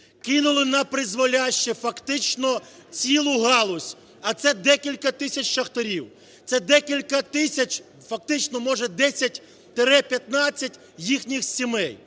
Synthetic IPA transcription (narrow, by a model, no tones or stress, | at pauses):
kɪnʊlˠɪnɐpɾɪzʋɔlʲaʃt͡ʃɛfɐkt̪ɪt͡ʃnɔt͡sʲilˠʊɦɑlˠɔsʲ | ɐt̪sɛd̪ɛkʲilʲkɐt̪ɪsʲɐt͡ʃʲʃɐxt̪eɾʲiw | t̪sɛd̪ɛkʲilʲkɐt̪ɪsʲɐt͡ʃ | fɐk̚t̪ɪt͡ʃnɔmɔʒɛd̪ɛsʲɐtʲ | t̪eɾɛpʲjɐt̪nɑt͡sʲːɐtʲ | jixnʲixsʲimɛj